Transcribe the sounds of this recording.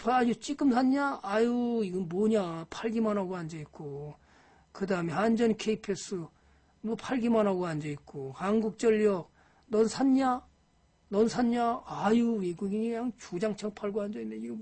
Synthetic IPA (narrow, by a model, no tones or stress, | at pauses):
pʰad͡ʑut͡ɕ͈ik͈ɯmsʰanɲaːjuiɡʌnmoɲapʰaɭɡimanɦaɡoand͡ʑʌit̚k͈o | kɯdaɦɯme̞hand͡ʑʌnkʰeipʰes͈ʰɯ | mʌpʰaɭɡimanɦaɡoand͡ʑʌit̚k͈ohanɡuk̚t͡ɕ͈ʌʎːjʌk̚ | nʌnsʰanɲa | nʌnsʰanɲaajuweɡuɡiɲiɲaŋt͡ɕud͡ʑaŋt͡ɕʰʌŋpʰaɭɡoand͡ʑʌindeiɡʌ